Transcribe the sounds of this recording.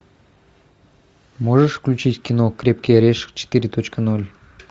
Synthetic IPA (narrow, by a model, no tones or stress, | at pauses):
moʐəʂfklʲʉt͡ɕitʲkʲɪnokɾʲep̚kʲeɾʲeʂt͡ɕʰɪ̥t̪iɾʲɪt̪ʰot͡ɕkənolʲ